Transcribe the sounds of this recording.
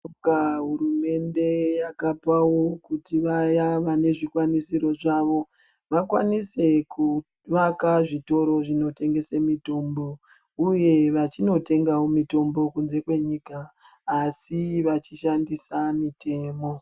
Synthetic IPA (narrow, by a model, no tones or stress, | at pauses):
kaɦurume̞nde̞jakapawo̞kutiʋajaʋane̞ʐikwanisiɾo̞ʐaʋo̞ | ʋakwanise̞ku | ʋakaʐito̞ɾo̞ʐino̞te̞ŋɡe̞semito̞mbo̞ | uje̞ʋat͡ʃino̞te̞ŋɡawomito̞mbo̞kunze̞kwe̞ɲikaː | siʋat͡ʃiʃandisamitʰe̞ːmo̞